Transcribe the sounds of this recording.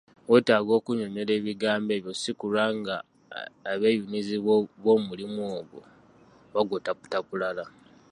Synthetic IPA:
we̞taːɡo̞ːkuɲo̞ne̞le̞ːβiɡaːmbe̞ːβjo̞sikulaŋɡaː | βe̞junizioβo̞ːmulimoːɡwo̞̰ | βaɡotapu̥takulala

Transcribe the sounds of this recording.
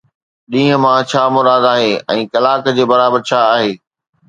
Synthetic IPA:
ɗĩːə̃mãt͡ɕʰaːmʊɾaːd̪aːɦeːɛ̰̃ːkɐlaːkd͡ʑeːbɐɾaːbəɾt͡ɕʰaːɦeː

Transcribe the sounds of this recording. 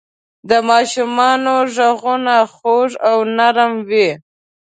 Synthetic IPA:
d̪əmɑʃumɑnoʒaɣunaxoʐawnaɾəmwi

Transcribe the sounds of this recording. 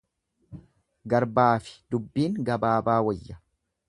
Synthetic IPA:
ɡɐɾbaːfɪ̥d̪ʊbːiːŋɡɐbaːbaːwɔjːɐ

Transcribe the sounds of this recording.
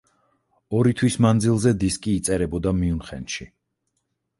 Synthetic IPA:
ɔɾit̪ʰwismand̪zilˠzɛd̪iskʼiːt̪sʼɛɾɛbɔd̪amiunχɛ̰nʃi

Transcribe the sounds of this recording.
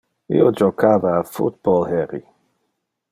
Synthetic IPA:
ḭod͡ʒokʰaːvaːfṵt̪̚bɔlhɛɾi

